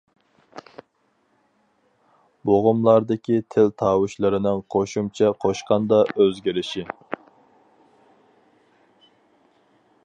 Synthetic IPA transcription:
boʁʊmlˠɑɾd̪ɪkʲʰit̪ʰɪlt̪ʰɑːwuʃlˠɨɾɪnɪŋqʰoʃumt͡ʃʰɛqʰoʃqɑnd̪ɑʔøzɡʲiɾɪʃi

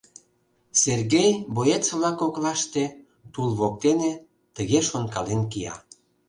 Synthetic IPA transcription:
serɣejbojet͡sβlɑkoklɑʃt̪e | t̪ulβok̚t̪ene | t̪əɣeʃonkɑlenkijɑ̰

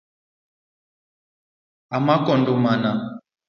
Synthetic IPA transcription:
amakɔndɔmana

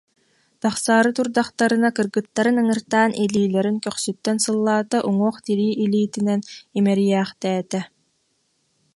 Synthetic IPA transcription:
t̪aχsaːɾɯt̪uɾd̪aχt̪aɾɯnakɯɾɡɯt̪ːaɾɯnɯŋɯɾt̪aːnʔiliːlɛɾinkœχsyt̪ːɛnsɯlˠːaːt̪aʔuŋuːχt̪iɾiːʔiliːt̪inɛnimɛɾijæːχt̪ɛːt̪ɛ

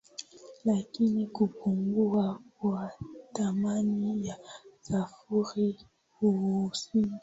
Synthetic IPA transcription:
lakinikupuŋɡuakwatamanijasafuɾi | husi

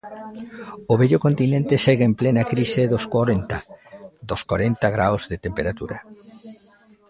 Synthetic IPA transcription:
oβɛʎokont̪inẽnt̪esɛɣeemplenakɾiseðoskaɾent̪ad̪oskwaɾent̪aɣɾawzðet̪empeɾat̪uɾa

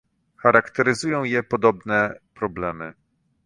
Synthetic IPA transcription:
xaɾakt̪ɛɾɘzujɔ̃w̃jɛpɔd̪ɔbnɛpɾɔblɛmɘ

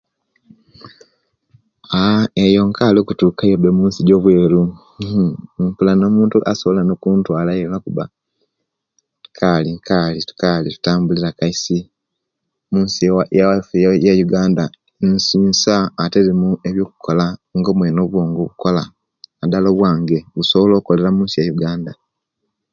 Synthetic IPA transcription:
aejo̞ŋkaːlokutuːkajobemuːnsiɟo̞ːβwe̞ːɾu | mpulano̞ːmuːntuʔa̰so̞βolanokuːntwaːlaelakuβa̰ | kʰalikʰalitu̥kalitu̥taːmbuliɾakaisi | muːnsiwjawafejjajuɡaːnda | nsiːnsaːteɾemueβjo̞ːku̥kʰo̞laŋɡo̞ːmweːno̞βwo̞ːŋɡoβuko̞la̰ː | daloβwaːŋɡe̞βuso̞βolo̞ːkole̞ɾamuːnsijajuɡaːnda

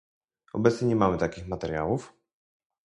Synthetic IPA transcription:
ɔbɛt̪sɲɛɲɛmamɘt̪akʲixmat̪ɛɾʲja̰wuf

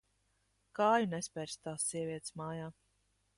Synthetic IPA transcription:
kaːjunɛspʲɛɾst̪aːsːiɛviɛt̪smaːjaː

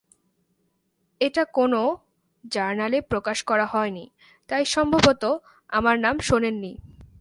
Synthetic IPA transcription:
eʈakono | d͡ʑaɾnalepɾokaʃkɔɾaɦɔeni | t̪ajʃɔmbʱabot̪o | amaɾnamʃonenːi

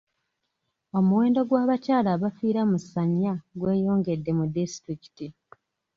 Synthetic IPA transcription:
o̞muwe̞ːndo̞ɡwaːβacaːlaβafiːɾamusaɲːaɡwe̞ːjo̞ːŋɡe̞dːe̞mudistɾiki̥ti

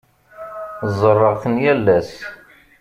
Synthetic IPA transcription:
zˤərˤːəʁθənjælːæs

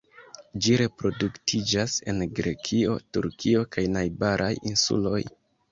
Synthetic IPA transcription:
d͡ʒiɾe̞pɾo̞duktʰid͡ʒase̞̰nɡɾe̞̰kʰio̞̰tṵɾkʰio̞kajnajbaɾʔajinsṵlo̞j

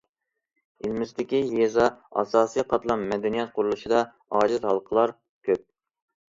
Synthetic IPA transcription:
ɪlmɪzd̪ɪkʲijezɑɑ̰sɑːsijqʰɑt̪lˠɑnmɛd̪ɛnijɛt̪̚qʰʊɾulˠuʃɨd̪ɑ | ɑːd͡ʒɪt̪hɑlˠqʰəlˠɑɾ | kʲʰøp̚

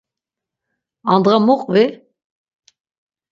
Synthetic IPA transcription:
and̪ʁamuqʼvi

